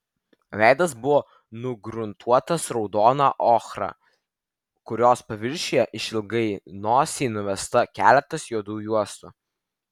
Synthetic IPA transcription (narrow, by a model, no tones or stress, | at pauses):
ʋʲæˑɪd̪ɐs̬bʊʋoː | nʊɡɾʊnt̪ʰuɔt̪ɐsɾɔʊd̪oːnɑʔoːxɾɑ̰ | kʊɾʲoːspɐʋʲɪɾʲʃʲejɛʔɪʃʲɪlˠɡɐɪnoːsʲɛɪnʊʋʲɛst̪ɐkʲæːlʲɛt̪ɐsjuɔd̪uːjuɔst̪u